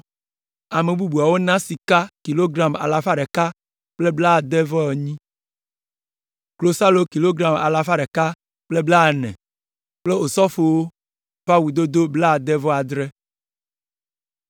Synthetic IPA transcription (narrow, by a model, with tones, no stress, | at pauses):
a˨me˨bu˦bu˨a˨wo˦nã˦si˨ka˦ki˨lo˦ɡɾa˨ma̰˨la˨fa˦ɖɛ˨ka˦ | k͡ple˦bla˦˨d̪ɛ˦vɔ˦ɛ˨ɲĩ˦ | klo˨sa˦lo˦ki˨lo˦ɡɾa˨ma̰˨la˨fa˦ɖɛ˨ka˦ | k͡ple˦bla˦˨nɛ̰̃˨ | k͡ple˦o˨sɔ˦fo˨wo˦ | pa˦wu˨d̪o˦d̪o˦bla˦˨d̪ɛ˦vɔ˦a˨d̪ɾɛ˦